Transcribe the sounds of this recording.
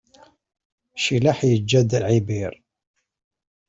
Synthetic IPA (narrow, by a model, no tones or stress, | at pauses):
ʃilaħjəd͡ʒːæd̪əlʕibiɾ